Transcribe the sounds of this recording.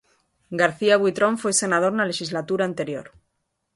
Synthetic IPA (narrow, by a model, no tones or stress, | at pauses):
ɡaɾθiaɣwit̪ɾo̞ɱfwese̞nað̞o̞ɾnale̞ʃizlat̪uɾaːnt̪e̞ɾjo̞̰ɾ